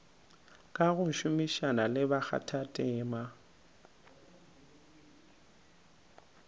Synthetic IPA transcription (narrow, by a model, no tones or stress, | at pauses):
kʼaɣʊʃʊmiʃanalɪbak͡xa̰tʰatʼɪːma